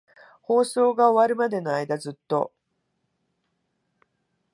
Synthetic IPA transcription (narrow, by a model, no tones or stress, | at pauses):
ho̞ːso̞ːɡao̞βaɾɯ̟mad̪e̞noaid̪azɨt̪ːo̞̰